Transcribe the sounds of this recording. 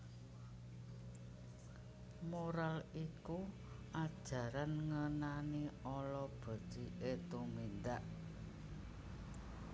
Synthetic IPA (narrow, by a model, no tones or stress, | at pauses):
moɾaliku | ad̥ʒ̥ä̤ɾanŋənaniɔlɔb̥a̤̥d̥iʔet̪umind̪aʔ